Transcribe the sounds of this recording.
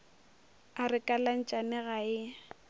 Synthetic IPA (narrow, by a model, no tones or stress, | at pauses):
arɪkʼalan̩t͡ʃʼanɪɣaɪ